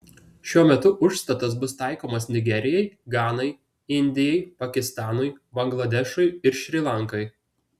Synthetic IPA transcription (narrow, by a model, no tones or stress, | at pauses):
ʃʲuɔmʲɛt̪ʊʔʊʃst̪ɐt̪ɐsbʊst̪ɑˑɪkoːmɐsnʲɪɡʲɛɾʲɪjɛɪɡɑːnɐɪ | ɪnʲd̪ʲɪjɛɪpɐkʲɪst̪ɑːnʊɪbɐŋɡlˠɐd̪ʲɛʃʊɪɪɾʃʲɾʲɪːlˠɐŋkɐɪ